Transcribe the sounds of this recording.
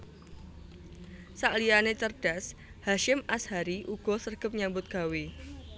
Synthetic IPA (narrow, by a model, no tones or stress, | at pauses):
saʔlianet͡ʃərd̥as | haʃɪmʔashaɾiʔuɡ̥ɔ̤sərɡ̥ə̤p̚ɲambʊt̪̚ɡ̥a̤we